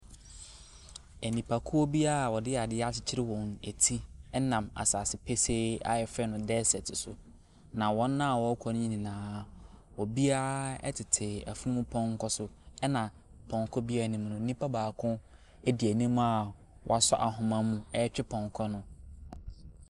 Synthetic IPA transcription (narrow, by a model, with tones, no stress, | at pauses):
ɛ˨nĩ˨pʰa˨kʰʊ˦o˦bi˦a˦˨wɔ˨dɪ˦a˨dɪ˦a˦t͡ɕɪ˦t͡ɕʰɪ˦ɾɪ˦wɔ̃˨ne˨tʰi˦ɛ˦nã˨ma̰˨sa˨sɪ˨˦pʰe˦se˦a̰˦jɛ˨fɛ˦nʊ̃˨˦dɛ˦sɛ˨tʰɪ˨sʊ˨ | nã˨wɔ̃˦nː˦ã˦a˨wɔ˨˦kʰɔ˨ñ˦ɲĩ˦nĩ˨nãː˦wɔ˨bi˦a˦ɛ̰˦tʰɪ˨tʰɪ˨æ̰˨fu˦nũ˦mʊ̃˦pʰɔ̃˦ŋ̩˦kʰɔ˦sʊ˨ɛ˦nã˨ | pʰɔ̃˨ŋ˨kʰɔ˦bi˦a˦˨nĩ˨m˨nʊ̃˨n̩˦nĩ˦pʰa˦baː˨kʰʊ̃˦ | ɛ˦di˨æ˨nĩ˦m̃˦a˨ | wʔɔ̰˨a˨sɔ˦ʔa˨ɦʊ̃˨mã˦mũ˨ɛ˦t͡ɕᶣɪ˦pʰɔ̃˨ŋkʰɔ˦nʊ̃˦